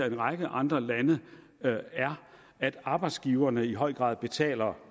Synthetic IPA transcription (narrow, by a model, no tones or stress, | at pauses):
ɐe̝nʁɑ̈ɡ̥əʔɑ̈nd̥ʁɐlænə | æɐ | æd̥ɑ̈ːb̥ɑ̈ɪd̥sɡ̥iːʊɐnəiɦɒ̽ɪ̰ɡ̥ʁɑ̰̈ːðˠb̥e̝t͡sʰɛ̰ːlɐ